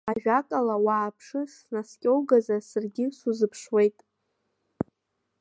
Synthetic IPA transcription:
aʒᶣakʼalawaːpʰʂɨsnaskʲʼowɡazasɨrɡʲɪsuzɨpʰʂwe̞jtʼ

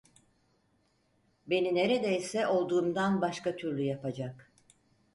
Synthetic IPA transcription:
be̞nine̞ɾed̪ɛjsɛʔo̞lˠd̪uːmd̪anbaʃkat̪ʰyɾlʲyjapad͡ʒak

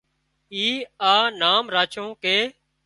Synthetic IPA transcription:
iːaːnaːmɾaːt͡ʃõːkeː

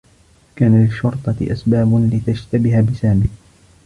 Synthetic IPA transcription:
kaːnalɪʃːɑɾt̪ˤɑt̪ɪ̰ʔasbaːblɪt̪ad͡ʒt̪abɪhabɪsaːmɪh

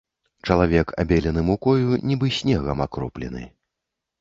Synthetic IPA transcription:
t͡ʂɐlˠavʲɛkʰa̰bʲɛlʲɛnɨmukɔjunʲibɨsʲnʲɛɣɐmakɾɔplʲɛ̰nɨ̰

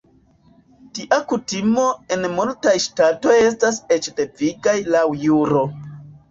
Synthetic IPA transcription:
tiʔakutimoe̞nmultajʃtato̞je̞stase̞t͡ʃde̞viɡajlawjuɾo̞

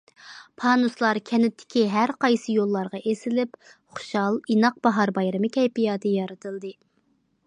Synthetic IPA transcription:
pʰɑːnuslˠɑɾkʲʰɛnɪt̪ʰːɪ̥kʲiɦæɾqɑjsɨjolˠːɑɾʁɑʔesɪlɪp | χʊ̥ʃɑlˠinɑq̚bɑɦɑɾbɑjɾɨmɨkʲʰɛjpijɑːd̪ɨjɑɾɨt̪ʰɨlˠd̪ɨ

